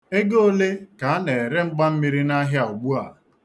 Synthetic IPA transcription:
e˦ɡo˦le˦ka˨a˦ne˨ɾe˦ŋ͡m̩˦ɡ͡ba˦m̩˦mi˦ɾi˦na˦ɦja˨ʊ˨ɡ͡bu˦a˨

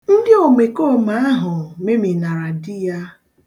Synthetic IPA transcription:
n̩˦dɪ˦o˨me˨ko˦˨ma˦a˦ɦʊ˨me˦mi˨na˨ɾa˨di˦ja˦

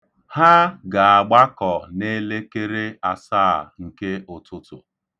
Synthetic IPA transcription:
ha˦ɡa˨a˨ɡ͡ba˦kɔ˨ne˦le˦ke˦ɾe˦a˨saː˦˨ŋ̩˨ke˦ʔʊ˨tʊ˦tʊ̰˨

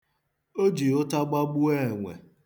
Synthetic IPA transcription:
o˦d͡ʒi˨ʊ˦ta˦ɡ͡ba˦ɡ͡bu˦e˦˨ŋʷḛ˨

